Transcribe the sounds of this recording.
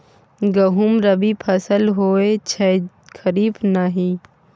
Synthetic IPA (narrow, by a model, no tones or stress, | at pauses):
ɡɐɦumɾɐbipʰɐsəlɦoːet͡ʃʰɐ | kəɾiːbnaɦĩ